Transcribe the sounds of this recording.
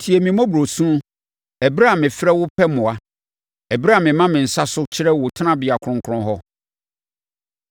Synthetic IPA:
tʰi˨ɛ˨mĩ˨mɔ̃˦bu˨ɾo˨sũ˦ | ɛ˨bɾa˦a˨mɪ̃˨fɪ˦ɾɛ˦wʊ˦pʰɛ˦mʊ̃˨a˨ | ɛ˨bɾa˦a˨mɪ̃˨mã˦mɪ̃˨n̩˨sa˦sʊ˦t͡ɕʰɪ˦ɾɛ˦wʊ˨tʰnã˦bɪ˨a˨kʰʊ̃˦ŋkʰʊ˦ɾʊ̃˦ɦɔ˦

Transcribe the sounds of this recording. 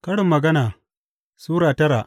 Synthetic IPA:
kɐ˦ɽɪ˨mːɐ˨ɡɐ˦naː˨ | suː˦ɽaː˨tɐ˦ɾaː˨

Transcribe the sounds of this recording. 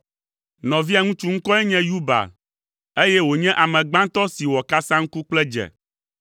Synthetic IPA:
nɔ̃˨vi˦a˨ŋũ˦t͡ʃu˦ŋ̩˦kɔ˦ɛ˦ɲɛ̃˦ju˦ba̰˨ | e˦jɛ˦wo˨ɲɛ̃˦ʔa˨mɛ̃˨ɡ͡bã˦nt̪ɔ˦si˨wɔ˨ka˦sã˦ŋ̩˦ku˦k͡plɛ˦d͡ʒɛ̰˨

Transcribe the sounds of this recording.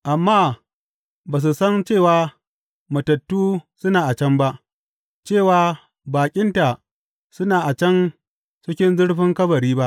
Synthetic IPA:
ʔa˨mːaː˦ | baː˨s̬u˨sɐ˦nt͡ʃeː˦˨waː˨ | mɐ˨tɐ˨tːuː˦sʊ˦naː˨ʔa˨t͡ʃɐ˦mba˦ʔ | t͡ʃeː˦˨waː˨˦ | baː˨kʲʼɪ˦nta˨ʔ | sʊ˦naː˨ʔa˨t͡ʃɐ˦n | t͡ʃɪ˦kʲɪ˦nzʊ˦ɽɸɪ˦ŋkɐ˦bɐ˨ɾiː˦ba˦ʔ

